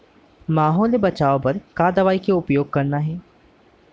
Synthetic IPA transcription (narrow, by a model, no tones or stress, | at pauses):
maːɦoːlebət͡ʃaːopəɾkaːd̪əʋaːikeʊpjoːɡ̚kəɾnaɦɛː